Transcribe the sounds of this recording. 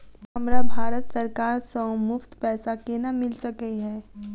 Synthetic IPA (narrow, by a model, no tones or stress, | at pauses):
ɦɐmɾabʱaːɾət̪sɐɾkaːɾsə̃mʊft̪pɛːsakenamɪlsɐkəiɦɛː